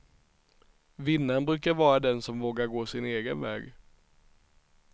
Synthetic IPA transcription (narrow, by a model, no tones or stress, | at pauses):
vɪnːanbɾʉ̟ːkaɾvɑːɾad̪ɛnsɔmvoːɡaɾɡoːsɪneːɡənvɛ̰ːɡ